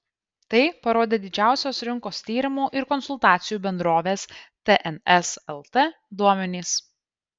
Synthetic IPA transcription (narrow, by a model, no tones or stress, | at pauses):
t̪ɐɪpɐɾoːd̪ʲeːd̪ʲɪd͡ʒʲæˑʊsʲoːsɾʲɪŋkoːst̪ʲiːɾʲɪmuːʔɪɾkɔnsʊlˠt̪ɑːt̪sʲɪjuːbʲɛnd̪ɾoːʋʲeːst̪ʲeʔɛnɛsɛlˠt̪e | d̪uɔmʲɛnʲiːs